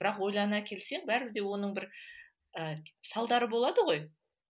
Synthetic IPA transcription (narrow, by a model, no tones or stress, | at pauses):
bɪɾɑqwo̞jlˠɑnɑkʲʰe̞lseŋbæɾbɪd̪e̞wo̞nəɴbɪɾ | əsɑlˠd̪ɑɾəbo̞lˠɑd̪əʁo̞j